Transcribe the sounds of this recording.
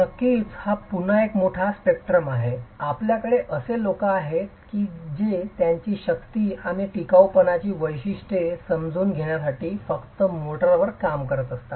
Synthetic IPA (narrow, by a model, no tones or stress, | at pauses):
nəkit͡shapunəekmoʈʰaspek̚ʈɾəmaɦeapljakəɽeʔəselokaːɦet̪kiːd͡ʑet̪jaɲt͡ɕiːɕəkt̪iːaɽ̃iʈikawpənat͡ɕiːʋəjɕiʂʈesəmd͡zʱuːnɡʱeɽ̃jasaʈiːfəkt̪əmoʈəɾʋəɾkamkəɾət̪əst̪a